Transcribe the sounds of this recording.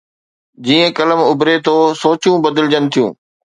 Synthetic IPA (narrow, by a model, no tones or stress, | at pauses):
d͡ʑiːə̃kɐləmʊbɾet̪ʰoːsoːt͡ɕũbɐd̪əlɪd͡ʑənɪ̆t̪ʰijṵ̃ː